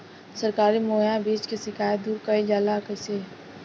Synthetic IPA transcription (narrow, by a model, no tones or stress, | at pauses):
səɾkaːɾimoːjabiːt͡ʃkesɪkaːjd̪uːɾkəid͡ʒaːlakəse